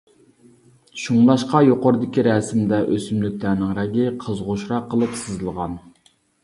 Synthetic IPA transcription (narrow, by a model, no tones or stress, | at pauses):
ʃuŋlˠɑʃqɑjoqoɾɨd̪ɪkʲiɾɛsɪmd̪ɛʔøsymlyk̚ʲt̪ænɪŋɾɛɡʲɪqʰəzʁoʃɾɑqʰːəlˠɨpsɨzɨlˠʁɑn